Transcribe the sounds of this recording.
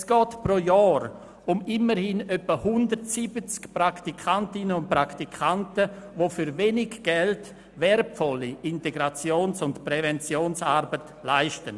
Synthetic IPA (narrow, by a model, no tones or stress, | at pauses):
sɡ̥ɔːtpɾojɔːɾ | ʊmɪməɾhɪnœpəhʊndərtsibət͡skprɾaktikʰantɪnənʊnt̚pɾaktikʰantəvofyɾvenɪɡɡ̥ɛlt | vɛɾpfɔlːiɪnteɡɾat͡sjoːnsʊntpɾɛvɛnt͡sjoːnsaːɾbət | laɪʃtən